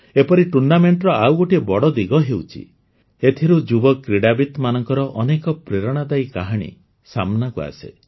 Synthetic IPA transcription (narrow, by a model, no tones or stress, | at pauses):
epɔɾiʈuɾɳɖameɳʈɾɔawɡoʈiebɔɽɔd̪iɡɔɦewt͡ʃʰḭ | et̪ʰiɾud͡ʒubɔkɾiɽabit̪manɔŋkɔɾɔʔɔnekɔpɾeɾɔɽ̃ad̪ajkaɦaɽ̃ḭ | samnakua̰sḛ